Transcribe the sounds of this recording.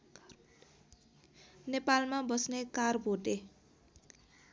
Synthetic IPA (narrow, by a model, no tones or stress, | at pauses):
nepalmabʌsnekarbʱoʈe